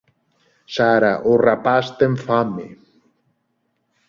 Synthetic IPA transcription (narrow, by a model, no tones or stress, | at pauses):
saɾaʔorapast̪eɱfamḛ